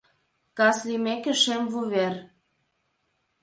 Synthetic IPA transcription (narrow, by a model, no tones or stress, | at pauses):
kɑslimekĕʃemvuβer